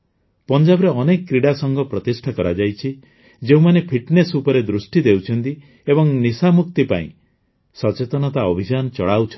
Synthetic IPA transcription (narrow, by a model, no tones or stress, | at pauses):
pɔnd͡ʒabɾeɔnekɔkɾiɽasɔŋɡɔpɾɔt̪isʈʰakɔɾad͡ʒajt͡ʃʰi | d͡ʒeũmanepʰiʈnesupɔɾed̪ɾusʈid̪ewt͡ʃʰɔnt̪i | ebɔŋnisamuk̚t̪ipa̰ḭ̃ | sɔt͡ʃet̪ɔnɔt̪aɔbʱid͡ʒanɔt͡ʃɔ̰ɭawt͡ʃʰ